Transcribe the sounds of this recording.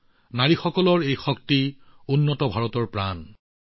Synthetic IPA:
naɹixɔkɔlɔɹejxɔktiunːɔtɔbʱaɹɔtɔɹpɹan

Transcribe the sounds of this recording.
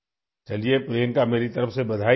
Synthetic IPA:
t͡ʃɐliepɾeːnkameːɾit̪ɐɾəfsebɐd̪ʱaː

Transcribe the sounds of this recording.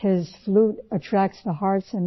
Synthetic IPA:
hɪz̥fluɾətʰɹ̥æk̚tsðəhɑɹtsɨ̃n

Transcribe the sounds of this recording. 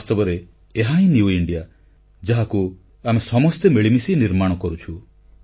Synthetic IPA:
ast̪ɔbɔɾeː | ɦaɦĩnjuiɳɖija | d͡ʒaɦaku | amesɔmɔst̪emeɭimisiniɾmaɽ̃ɔkɔɾut͡ʃʰu

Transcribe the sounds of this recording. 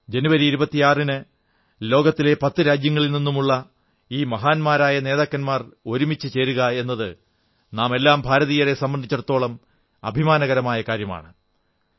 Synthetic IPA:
d͡ʑe̞nuʋɐɾiiɾubɐt̪ːijaːrinɨ | lo̞ːɡɐt̪ːile̞pɐt̪ːɨɾaːd͡ʑjɐŋːɐɭilninːumuɭːɐ | iːmɐɦaːnmaːɾaːjɐne̞ːðaːkːɐnmaːro̞ɾumit͡ɕːɨt͡ɕe̞ːɾuɣɐe̞nːɐðɨ | naːme̞lːaːmbʱaːɾɐðijɐre̞sɐmbɐnd̪ʱit͡ɕːɐrt̪ːo̞ːɭɐm | ɐ̰bʱimaːnɐɣɐɾɐmaːjɐkaːɾjɐma̰ːɳɨ

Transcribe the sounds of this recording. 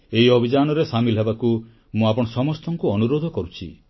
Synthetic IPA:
eɦiɔbʱid͡ʒanɔɾesamilɦebaku | mũapɔɽ̃ɔsɔmɔst̪ɔŋkuɔnuɾod̪ʱɔkɔɾut͡ʃʰḭ

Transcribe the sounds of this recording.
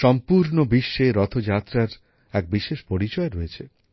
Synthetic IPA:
ʃɔmpuɾnobiʃːeɾɔt̪ʰod͡ʑat̪ːɾaɾ | ɛk̚biʃeʃpoɾit͡ɕɔeɾoet͡ɕʰe

